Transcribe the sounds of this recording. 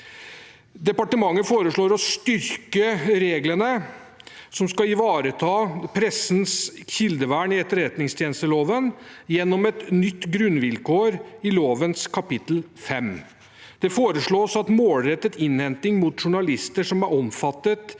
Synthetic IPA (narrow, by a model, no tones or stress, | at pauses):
d̪ɛpɑʈəmɑŋːəfoːɾəʂɭoːɾɔst̪ʏɾkəɾeːɡlənə | sɔmskɑɪʋɑːɾət̪ʰɑːpʰɾɛsnsçɪld̪əʋæːɳɪɛt̪ːəɾɾɛt̪nɪŋst̪ʰjeːnst̪əloːʋənjɛnːɔmɛt̪nʏt̪ːɡɾʉnʋɪlkoːɾɪloːʋənskʰɑpɪt̪l̩fɛm | d̪̥ɛfoːɾəʂɭoːsɑt̪moːlɾɛt̪ːət̪ɪnhɛnt̪ɪŋmut̪ʂʊɳɑlɪst̪əʂɔmæɾɔmfɑt̪ːət̪